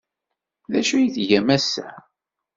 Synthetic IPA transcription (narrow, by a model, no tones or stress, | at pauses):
ðæʃujiθʝæmæsːæ̰